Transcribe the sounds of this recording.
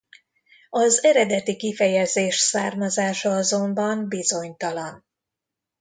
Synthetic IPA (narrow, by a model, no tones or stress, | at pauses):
ɒzɛɾɛd̪ɛt̪ikifɛjɛzeːʃsaːrmɒzaːʃɒɒzo̞mbɒmbizo̞ɲt̪ɒlɒn